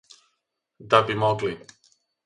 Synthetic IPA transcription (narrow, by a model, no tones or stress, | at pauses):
d̪abimɔɡli